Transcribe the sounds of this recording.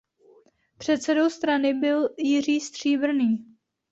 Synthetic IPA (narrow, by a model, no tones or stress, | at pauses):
pr̝̥ɛt̪sɛdo̞wst̪ɾanɪbɪljɪr̝iːst̪r̝̥iːbr̩niː